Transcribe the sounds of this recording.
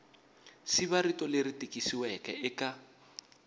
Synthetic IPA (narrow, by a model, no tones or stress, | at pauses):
siβaɾitʼɔleɾitʼikʼisiwɛkʼɛ̰ɪkʼa